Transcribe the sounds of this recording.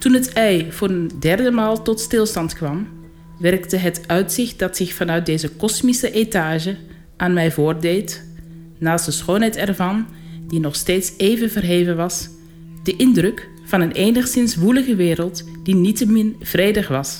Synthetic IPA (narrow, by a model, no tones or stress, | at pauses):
tunətɛjvʊːrəndɛrdəmaːlˠtɔtstɪlˠstɑntkʋɑm | ʋɛrktəɦətœɥtsɪχt̚dɑtsɪxfɑnœɥt̚dejzəkɔsmisəʔetaːʒə | ʔaːnmɛjvoːrdejt | naːstdəsχoːnɦɛjtɛrvɑndinɔχsteːtsejvənvərɦeːvənʋɑs | dəʔɪndrɵk | fɑnənʔeːjnəχsɪnsʋuləɣəʋɪːɾəlˠtd̥initəmɪnv̥rejdəχʋɑs